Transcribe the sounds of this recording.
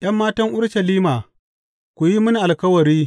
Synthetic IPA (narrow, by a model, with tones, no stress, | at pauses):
ʔj̰ɐ˦mːaː˦tɐ˦ŋʔʊ˦ɽʃɐ˨liː˦maː˨ | kʷu˨ji˦mʊ˦ni˨ʔa˨lkɐ˦wɐ˨ɾiː˦